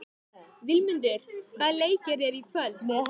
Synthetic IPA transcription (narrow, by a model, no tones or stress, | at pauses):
vɪlmʏnt̪ʏɾ̥valeːjkɪɾɛɾipʰœl